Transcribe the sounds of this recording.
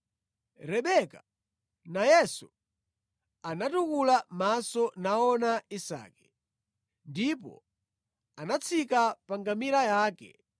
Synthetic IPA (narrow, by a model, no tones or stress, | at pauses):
ɾɛɓɛka | najɛsu | anatukulamasɔnaɔnaisa̰ːkɛ̥ | ndipɔ̰ | anat͡sʰikapaŋɡamiɾajaːkɛ̰